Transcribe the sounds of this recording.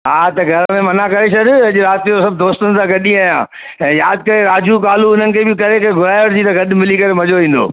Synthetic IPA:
ɦaːt̪ɐɡʱɐɾəmẽmɐnakɐɾeʃɐd̪ɪɐʄɾaːt̪ijosɐb̚d̪oːst̪ənɪ̆sãɡɐɗĩaːjãː | ɛ̃ːjaːd̪̚kɐɾeɾaːd͡ʑukaːluʊn̤ənɪ̆kʰeːbɪkɐɾekɡʱʊɾaːjəɽd͡ʑiːt̪ɐɡɐɗ̆mɪlikɐɾemɐd͡ʑoʋĩːn̆d̪o̰ː

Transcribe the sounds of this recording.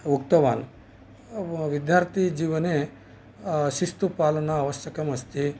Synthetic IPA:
ukt̪ɐʋa̰ːn | ʋid̪jaːɾt̪ʰid͡ʑiːʋɐne | ʃist̪upaːlɐnɐːʋɐɕjɐkɐmɐst̪i

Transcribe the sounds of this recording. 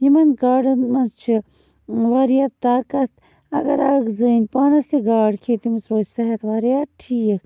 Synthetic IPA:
jimɐnɡaːɖɨnmɐt͡ʃʰi | ʋaɾijat̪ːaːkɐt̪ | ɐɡɐɾɐɡzɨːnʲpaːnɐst̪iɡaːɽkʰet̪imusɾoːssɐɦɐt̪ʋɐɾijat̪̚ʈʰiːk

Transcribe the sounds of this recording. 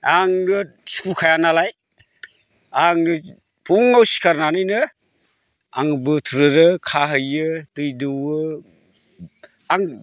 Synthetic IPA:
aŋnɯ | su̥kʰukʰajanalaj | aŋɯ | tʰuŋawsi̥kʰaɾnanɯjnɯ | a̰ŋbɯtʰɾɯɾɯkʰaɦɯjɯtɯjdɯwɯ | aŋ

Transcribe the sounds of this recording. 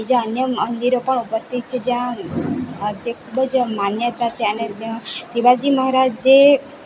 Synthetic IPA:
id͡ʒaənjəənd̪iɾopəɳupəst̪ʰit̪̚t͡ʃʰed͡ʒjã | t̪ekʰubəd͡ʒmanjət̪at͡ʃʰeənesiʋad͡ʒiməɦaɾad͡ʒd͡ʒe

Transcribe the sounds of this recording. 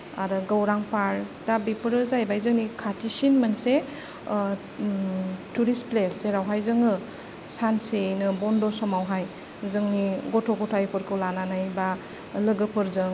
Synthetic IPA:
a̰ɾɯɡəwɾaŋpaɾdabipʰɯɾɯzajbajzɯŋnikʰatʰisinmanse | tuɾispleseɾawɦajzɯŋɯ | sansenɯbɔndɔsɔmawɦaj | zɯŋniɡɔtʰɔɡɔtʰajpʰɯɾkʰɯwlananajba | lɯɡɯpʰɯɾzɯŋ

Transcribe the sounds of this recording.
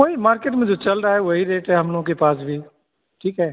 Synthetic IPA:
koːimaːɾkeːʈmẽd͡ʒot͡ʃɐlɾaːɦɛʋoɦiɾeːʈɦɛɦɐmlõkepaːsbʱiː | ʈʰiːkɦɛː

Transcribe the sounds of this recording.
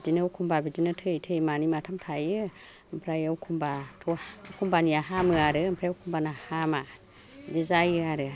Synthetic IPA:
dinɯwkʰumbabidinɯtʰɯjtʰɯjmanimatʰamtʰajɯ | mpʰɾajɯwkʰumbatʰuukʰumbanijaɦamɯaɾɯmpʰɾajawkʰumbanahama | dizajɯaɾɯ

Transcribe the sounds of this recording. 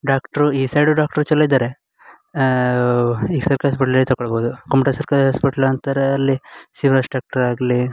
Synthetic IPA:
ɖaːkʈɐɾuiːsɐjɖuɖaːk̚ʈɐɾut͡ʃɐlːɐid̪aːɾe | iːɡsɐɾkɦɐspiʈɐlɐlːit̪ɐɡɔɭboːd̪ukɐmʈɐsɐɾkaɾɦɐspiʈɐlɐnt̪ːɾeɐlːisiːʋɾɐsʈɾaːk̚ʈɐɾaːɡli

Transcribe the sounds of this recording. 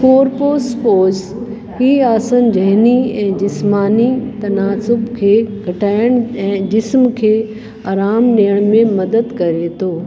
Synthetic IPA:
koːɾpoːspoːz | hiːaːsənd͡ʑɐɦniɛ̃ːd͡ʑɪsmaːnit̪ɐnaːsʊbkʰeːɡʱɐʈʰaːɪɽ̃ɛ̃ːd͡ʑɪsmkʰeː | aːɾaːmɗijəɽ̃mẽmɐd̪əd̪kɐɾet̪ʰoː

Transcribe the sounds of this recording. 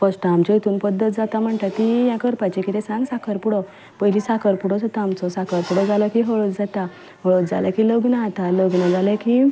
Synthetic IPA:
fəsʈaamt͡ɕɔit̪uːnpəd̪ːət̪̚d͡zat̪am̤əɳʈ̪at̪ijãkəɾpat͡ɕekit̪esãŋɡsakʰəɾpuɽɔ | pəjlisakəɾpuɽɔd͡zat̪aamt͡sɔsakəɾpuɽɔd͡zaləkiɦoɭət̪d͡zat̪a | ɦoɭət͡sd͡zaləkiloɡnaːt̪aloɡnad͡zalɛki

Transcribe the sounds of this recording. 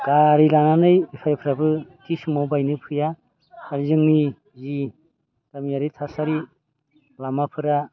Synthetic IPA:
ɡaɾilananɯjbipʰajpʰɯɾabɯtisɯmawbajnɯpʰɯja | aɾzɯŋni | zi | d̥amijaɾitʰasaɾi | lamapʰɯɾa

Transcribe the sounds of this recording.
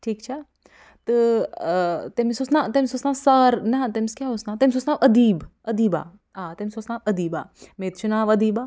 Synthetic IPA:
ʈʰiːkt͡ʃʰa | t̪ɨ | t̪emisosnaːt̪emisosnaːsɐɾnɛt̪emiskʲjaːɦosnaːt̪emʲsoːsnaːʋɐd̪iːbɐd̪iːba̰ː | aːt̪emisosnaːʋɐd̪iːba̰ːmeːt̪t͡ʃʰunaːʋɐd̪iːbaː

